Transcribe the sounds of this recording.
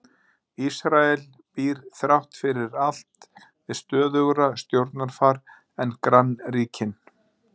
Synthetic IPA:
isɾaɛl | piːɾ̥θɾawht̪fɪɾɪɾal̥t̪ | ɪðst̪œːðʏɣɾast̪jowɾt̪naɾ̥faɾ | ɛnkɾanːriːcʰɪn

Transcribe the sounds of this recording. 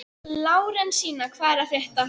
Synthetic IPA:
laːwɾɛnsiːnakʰvaːɾafjɛht̪a

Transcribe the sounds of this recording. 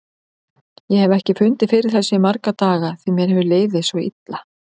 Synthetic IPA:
jɛhɛvɛhcɪfʏnt̪ɪfɪɾɪ̥θɛsjɛmaɾkat̪aːɣaθimjɛɾhɛvʏleːjvðɪsvɔḭt̪la

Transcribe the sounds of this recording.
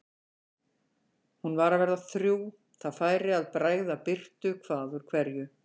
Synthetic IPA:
hunvaɾavɛɾðaθɾjuː | θaðfaːjɾɪaðpɾaːjɣðapɪr̥t̪ʏkʰv̥aːðʏɾ̥kʰvɛɾjʏ

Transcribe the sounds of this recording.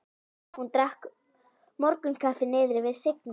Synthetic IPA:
hunt̪ɾahk | mɔɾkʏnkʰafɪnɪːðɾɪvɪðsɪk̚n

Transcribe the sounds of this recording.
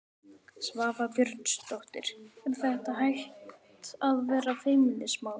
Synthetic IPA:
svaːvapjœɾt̪st̪ɔwht̪ɪɾ̥ɛmθɛht̪aɦajht̪aðvɛːɾafeːjmɪlɪsmaːw

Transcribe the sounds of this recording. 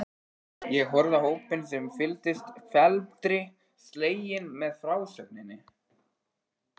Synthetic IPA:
jɛɣɦœɾðahoːwpɪns̬ɛmfɪlt̪ɪst̪fɛlt̪ɾɪ | st̪leːjɪnmɛðfɾaːwsœp̚nɪnːɪ

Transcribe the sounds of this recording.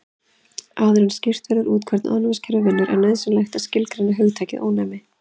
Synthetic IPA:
aːðʏɾanscɪr̥t̪vɛɾðʏɾuːt̪̚kʰvɛɾt̪nʔanvɪscʰɛɾʏvɪnːʏɾʔɛ̰ɾnɛðsɪmlajxt̪aðscɪlkɾajnːɪɦœɣt̪ʰaːjcɪðʔo̰ːwnɛːmɪ

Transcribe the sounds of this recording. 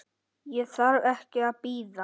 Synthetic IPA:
jɛθaɾvɛhcɪaðpiːða

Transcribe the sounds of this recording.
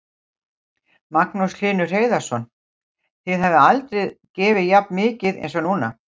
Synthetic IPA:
maknusl̥ɪːnʏr̥eːjðḁsɔn | θɪðɦɛvðɪalt̪ɾɛðcɛːvɪjapnmɪːcɪðɛ̰jnsɔnuːna

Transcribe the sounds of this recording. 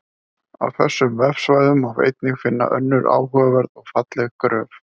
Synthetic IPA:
a̰wθɛsːʏmvɛfsvaːjðʏmavḛjt̪̚nɪxfɪnːa̰ʔœnːʏɾa̰ːwhœavɛɾðɔɣfat̪lɛɣkɾœːf

